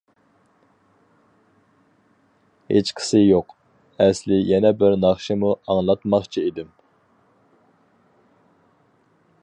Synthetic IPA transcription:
het͡ʃqʰɪ̥sɪjoq | ɛslɪjɛnɛbɪɾnɑχʃɪmuɑŋlˠɑt̪mɑχt͡ʃʰiid̪ɪm

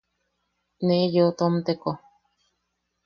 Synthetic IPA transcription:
neʔjoʔt̪omt̪eko

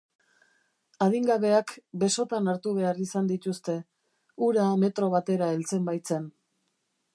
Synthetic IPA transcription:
aðiŋɡaβe̞akbe̞so̞t̪anaɾt̪uβe̞arisand̪it̪ust̪e̞ | uɾame̞t̪ɾo̞β̞at̪e̞ɾae̞lt͡se̞mbajt͡se̞n

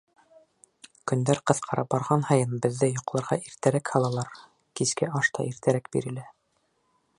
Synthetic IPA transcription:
kɵ̆nd̪æɾqɤ̆θqʰɑɾɑp̚bɑɾʁɑnhɑjɤnbɘ̆ðːɘjŏqlˠɑɾʁɑʔiɾt̪æɾækhɑlˠɑlˠɑɾ | kiskæʔɑʃt̪ɑ̰ʔiɾt̪æɾæk̚bḭɾɘ̆læ

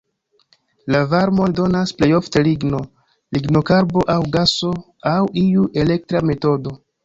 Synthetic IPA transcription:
lavaɾmo̞ndo̞nasple̞jo̞fteliɡno̞ | liɡno̞kaɾbo̞ʔawɡaso̞ | awiuʔe̞le̞k̚tɾame̞to̞do̞

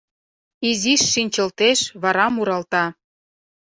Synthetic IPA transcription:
iziʃːinʲt͡ɕə̆lt̪eʃβɑɾɑmuɾɑlt̪ɑ

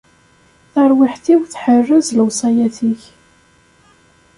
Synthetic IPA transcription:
θəɾˤwɪħθiwθħərːəzləwsˤɑjæθiç

